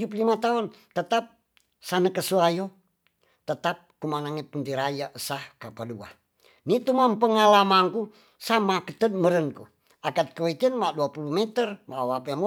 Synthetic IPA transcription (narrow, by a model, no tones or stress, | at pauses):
d͡ʒuplimat̪aunt̪ət̪ap̚ | sanəkəsuajo | t̪ət̪ap̚kumanaŋɛpunt̪iɾajaʔəsahkapadua̰ | nit̪umampəŋalamaŋku | samakət̪ət̪̚məɾənku | akat̪̚kəwikənmaduapulumɛt̪ərmawapəm